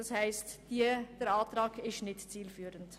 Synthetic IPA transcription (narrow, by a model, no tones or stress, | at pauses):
ɑshaɪstd̥id̥ɛːɾɑntʁɑːɡɪsnɪtt͡siːlfyːɾənt